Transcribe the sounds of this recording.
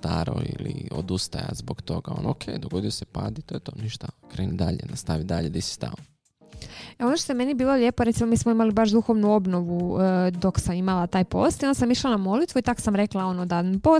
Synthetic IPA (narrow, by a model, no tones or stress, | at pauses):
t̪aːɾo̰ilio̰d̪ust̪aja̰zbokt̪o̞ɡao̰nokʰejd̪oɡod̪ijosepaːd̪it̪oːjet̪o̞ːniʃt̪akɾeːnid̪aʎenast̪aʋid̪aʎed̪isi̥st̪ao | eo̞noʃt̪ojeme̞nibiːlˠo̞ʎe̞ːpoɾeimo̞miːsmoimalibaʃd̪uxo̞ʋnuo̞bno̞ʋud̪o̞ksamimalat̪aːjpo̞̰st̪jond̪asamiʃlˠanamo̞lit̪ʋuit̪ako̥samɾeklao̞nod̪ad̪npo